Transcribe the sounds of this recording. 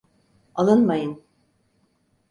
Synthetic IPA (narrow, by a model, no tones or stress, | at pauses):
alˠɯnmajɯn